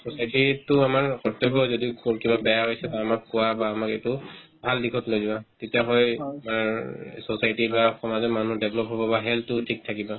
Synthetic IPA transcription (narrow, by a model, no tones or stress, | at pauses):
sɔsajtitʊamaɹkɔtɔkɔzɔdiʊkɔkibabɛjaɦojsɛbaːmakːʊwabaːmaketʊbʱaldikʰɔtlojzibatetijaɦɔjamaɹsɔsajtibaxɔmazɔmanudeblɔpɦobɔbaɦɛlʊtʰik̚tʰakiba